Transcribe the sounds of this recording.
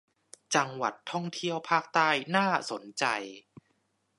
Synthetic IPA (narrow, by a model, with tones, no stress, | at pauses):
t͡ɕa˧ŋwa̰˨˩t̪ʰːɔ˥˩ŋt̪ʰi˥˩əwpʰaː˥˩k̚t̪aː˥˩jnaː˥˩so˩˦nt͡ɕa˧j